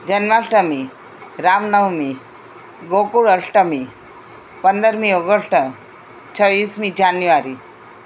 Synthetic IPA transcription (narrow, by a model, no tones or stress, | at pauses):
d͡ʑənʋaʂʈəmi | ɾamnəwmi | ɡokuɽəʂʈəmi | pənd̪əɾmioɡəʂʈʰə | t͡ɕʰəʋiːsmid͡ʑanjuʋaɾi